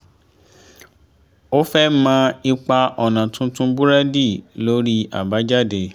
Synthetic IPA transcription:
o˦fɛ˦mã˦i˧k͡pa˧ʔɔ˨nã˨tũ˦tũ˦bu˦ɾa˦di˦˨lo˦ɾi˦a̰˨ba˨˦d͡ʒa˦˨de˧

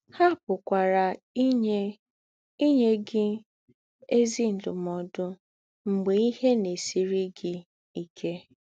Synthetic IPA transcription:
ha˦˨pʊ˨kʷa˨ɾa˨˦ | ɲ˦ | i˦ɲe˦ɡɪ˦ | e˦zi˦n̩˨dʊ̰˨mɔ˨dʊ˦ | ŋ͡m̩˨ɡ͡be˨i˦he˦ne˨si˨ɾi˦ɡɪ˦ | i˨kʰe˦

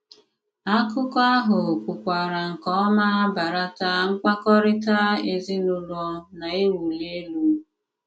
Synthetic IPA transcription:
a˦kʊ˦kɔ˦a˦ɦʊ˨kʷʊ˨kʷa˨ɾa˨ŋ̩˨kɔ˦ɔ˦ma˦a˦ba˨ɾa˦ta˦ŋ̩˦kʷa˦kɔ˦ɾɪ˦ta˦e˦zɪ˦nʊ˦lɔ˦na˨e˦wu˨le˦lu˦m˦

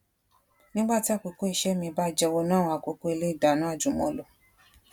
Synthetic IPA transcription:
nĩ˦ɡ͡ba˦˨ti˦a˦˨ko˧ko˦i˧˨ʃɛ˦mĩ˧ba˦˨d͡ʒɛ˧wo˧nãː˦˨˧a˨ko˨˧˦ko˦e˧le˦i˦˨da˨nã˦a˦˨d͡ʒu˨mɔ̃˧lo˨

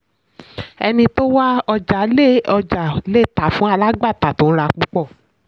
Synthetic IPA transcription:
ɛ˧nĩ˧to˦wa˦ɔ˧d͡ʒa˨˦le˦˨ɔ˧d͡ʒa˨le˦˨ta˨fũ˨˦a˧la˦ɡ͡ba˦˨ta˨to˨˦ɾa˧k͡pu˦k͡pɔ˦˨

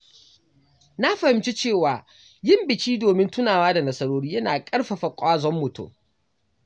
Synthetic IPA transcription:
na˦ɸɐ˨hɪ˨mt͡ʃi˦t͡ʃeː˦˨waː˨ | jɪ˦mbɪ˨t͡ʃiː˦doː˨mɪ˦ntʊ˦naː˨waː˦da˨nɐ˦sɐ˦ɾoː˦ɽiː˦jɐ˦naː˨kʼɐ˦ɽɸa˨ɸɐ˨kʷʼaː˦zɔ˦mːʊ˨tṵ˦

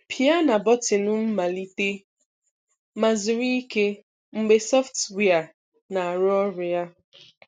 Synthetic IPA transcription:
pʰi˨a˦na˨bɔ˦tɪ˨nʊ˦m̩˦ma˨li˦te˦ | ma˨zʊ˨ɾi˦i˦ke˦ | ŋ͡m̩˦˨ɡ͡be˨sɔ˦ftwe˦˨a˨ | na˨a˨ɾʊ˦ɔ˦ɾʊ˨ja˦

